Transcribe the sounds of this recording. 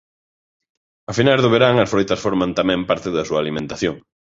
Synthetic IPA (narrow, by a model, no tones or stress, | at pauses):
ɐfinazðoβeɾaŋɐsfɾojt̪ɐsfoɾmãnt̪amɛ̃mpaɾt̪ɪðɐsuɐaːlimẽnt̪aθjoŋ